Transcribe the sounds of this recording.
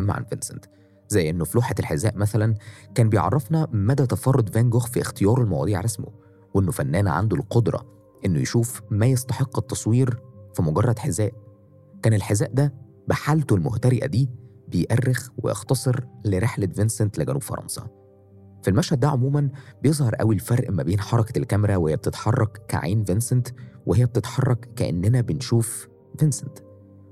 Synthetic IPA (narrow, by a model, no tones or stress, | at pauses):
æmːa̰ʕa̰nvensḛnt̪ | zæjːʔenːofluːħaelħezːæːʔmæθælænkæːnbejʕɑ̰rˤːɑfnæmæd̪æt̪æfɑrˤːod̪ˤvæŋɡoxfiʔxt̪ejɑːɾˤelmæ̰wɑ̰d̪ˤiːʕɾˤɑsmo̰ | wʔenːofænːæːnæ̰ʕa̰nd̪olqod̪ɾˤɑ̰ | ʔenːojeʃuːfmæjest̪ɑħeqːet̪ːɑsˤwiːɾfimoɡɑrˤːɑd̪ħezːæːʔ | kæːnelħezæːʔd̪æ | baħalt̪olmoht̪æɾeʔæ̰d̪iːbejʔærːexwḛjɑ̰xt̪ɑsˤeɾleɾeħlævensent̪leɡænṵːb̥fɑɾˤɑ̰nsˤɑ̰ | filmæʃhæd̪̚ːæʕomuːmænbejezˤhɑɾˤʔæ̰wilfɑɾˤʔmæbeːnħɑɾˤɑkælkæmɾæwehejːæb̚t̪et̪ħɑrˤːɑkkæ̰ʕa̰ːnvensent̪wehejːæb̚t̪et̪ħɑrˤːɑkkæʔḛnːenæbenʃuːf | vensent̪